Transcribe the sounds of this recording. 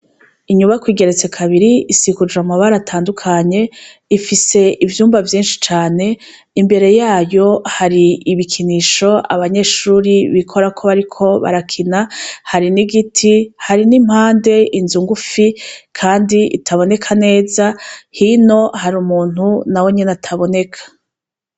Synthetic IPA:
iɲuβakwiːɡe̞ɾet͡se̞kʰaβiɾiisikud͡ʒamaβaɾatʰaːndukʰaɲe̞ | ifise̞ʔivjuːmvavjiːnʃi̥t͡ʃaːne̞ | imbe̞ɾe̞jaːjo̞haɾiiβikʰiniːʃo̞a̰βaɲe̞ʃuːɾiβikʰo̞ɾakʰo̞βaɾikʰo̞βa̰ɾakʰinahaɾiniɡitʰihaɾinim̥haːnde̞inzuŋɡufikʰaːndiḭtʰaβo̞ne̞kʰane̞ːzahino̞haɾumuːn̥hunawo̞ɲenatʰaβo̞ne̞kʰḁ

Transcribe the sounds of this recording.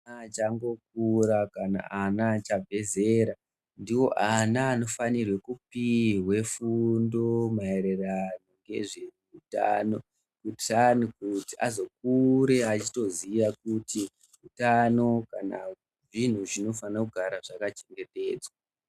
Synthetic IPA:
at͡ʃaŋɡo̞k̚uɾakana̰anat͡ʃavʱe̞zeɾa | ndiwo̞ʔanaːno̞fanirwe̞kupiwe̞fundo̞mae̞ɾerano̞ŋɡe̞̰ʐemuuta̰ːno̞ | kutanikutiʔazo̞k̚uɾe̞at͡ʃito̞ziʋakuti | utano̞kana | ʐin̤uʐino̞fanakuɡʱaɾaʐakat͡ʃe̞ŋɡe̞te̞ːd͡zwa

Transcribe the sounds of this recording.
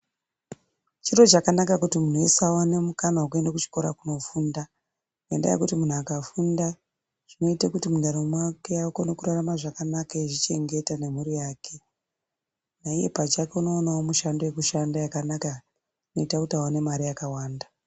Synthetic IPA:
t͡ʃiro̞t͡ʃakanakakutimun̤oesawane̞mukanauk̬ue̞ndakut͡ʃi̥ko̞ɾa̰kuno̞funda | kenda̰jḛkutimun̤uakafunda | ʐ̥ino̞itakutimudʱaɾomwake̞aukonokuɾaramaʐakanakaeʐit͡ʃe̞ŋɡe̞tane̞muɾijaːkʰe̞ | naije̞̰pat͡ʃake̞uno̞ːnawo̞muʃandojekuʃandajakanaka | ʐino̞itakutawane̞maɾijakawaːnda

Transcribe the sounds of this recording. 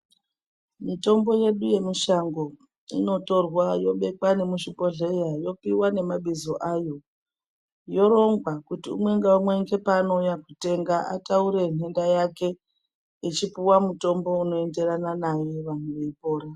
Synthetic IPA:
mito̞mbo̞je̞ɗuje̞miʃaŋɡo̞ | ḭno̞to̞rwajo̞ɓe̞kwane̞muʃipo̞ɮe̞jajo̞kiwane̞maɓizoʔajo̞ | jo̞ɾo̞ŋɡwakutiṵmwe̞ŋɡaumwe̞ŋɡe̞pano̞jakute̞ŋɡaʔa̰tauɾe̞n̤e̞ndajake̞ | it͡ʃipuwamuto̞mbo̞uno̞e̞nde̞ɾananaje̞ʋanweʋe̞ipo̞ːɾa

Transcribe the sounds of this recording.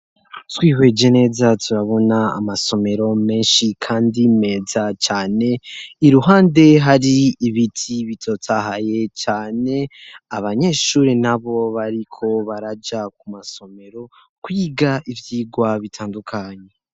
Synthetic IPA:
twiːɦwe̞d͡ʒe̞ne̞ːzatʰuɾaβo̞na̰ːmaso̞me̞ɾo̞me̞ːnʃikʰaːndime̞ːzat͡ʃaːne̞iɾuɦaːnde̞ɦaɾiiβitʰiβitʰo̞tʰaɦaje̞t͡ʃaːne̞aβaɲe̞ːʃuːɾinaβo̞βaɾikʰo̞βaɾad͡ʒak̚umaso̞me̞ɾo̞ | kujiɡaʔivjiːɡwaβitʰaːndukʰaɲe

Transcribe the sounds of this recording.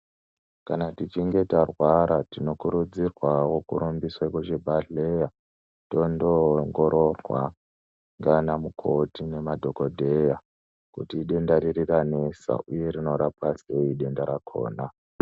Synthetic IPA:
kanatit͡ʃiŋɡe̞tarwaɾatino̞kuɾud͡zirwawokuɾumbiswaikoʐebʱaɮeja | to̞ndo̞ŋɡo̞ɾo̞rwa̰ | ŋɡanamukʰo̞tine̞madʱo̞ko̞dʱe̞ja | kutiːɗe̞ndaɾirirane̞sa̰ʔuje̞ɾino̞ɾapase̞iɗe̞ndaɾakʰo̞̰ːna

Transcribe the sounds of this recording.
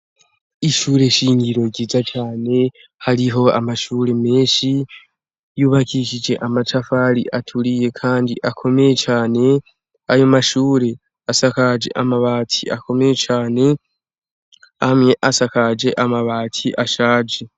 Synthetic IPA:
iʃuːɾe̞ʃiːɲɡiɾo̞ɟiːzat͡ʃaːne̞ | haɾiɦo̞a̰maʃuːɾe̞me̞ːnʃi | juːβakiːʃid͡ʒe̞ʔamat͡ʃafaɾḭʔatʰuɾije̞kʰaːndiʔakʰo̞me̞je̞t͡ʃaːne̞ | ajomaʃuːɾe̞ | asakad͡ʒḛʔamaβaːtʰia̰ko̞me̞jet͡ʃaːne̞ | amŋe̞ʔasakad͡ʒe̞ʔamaβaːtʰiʔaʃaːd͡ʒe

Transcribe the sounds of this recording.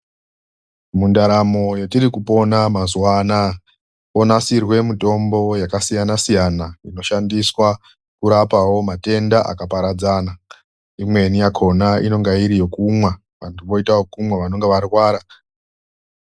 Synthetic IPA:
mundaɾamo̞jetiɾikupo̞namazwana | o̞nasirwe̞mito̞mbo̞jakasijanasijanaino̞ʃandiswa | kuɾapawo̞mate̞ndaʔa̰kapaɾad͡zaːna | imwe̞nijakʰo̞naino̞ŋɡaiɾijo̞kumwa | ʋantʰuʋo̞itawokumweʋano̞ŋɡeʋarwaːɾa

